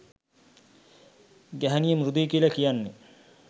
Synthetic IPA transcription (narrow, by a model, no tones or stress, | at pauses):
ɡæɦænijəmɾud̪ijkilakijanːe